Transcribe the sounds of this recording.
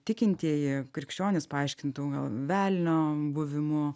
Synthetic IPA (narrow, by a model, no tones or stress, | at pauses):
t̪ʲɪkʲɪnʲt̪ʲiːjɪkɾʲɪkʃʲt͡ʃʲoːnʲɪspɐɐɪʃʲkʲɪnt̪uːɡɐlˠʋʲæːlʲnʲoːbʊʋʲɪmʊ